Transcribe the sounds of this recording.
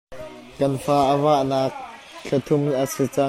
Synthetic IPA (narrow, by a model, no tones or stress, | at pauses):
kɐnfaːʔəvaʔnaːk̚ | ɬʰɐt̪ʰʊmʔəsit͡sɐ